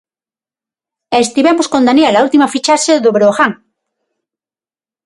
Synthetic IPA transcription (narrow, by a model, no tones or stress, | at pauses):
est̪iβemoskõnd̪anelault̪imafit͡ʃaʃeðoβɾoxaŋ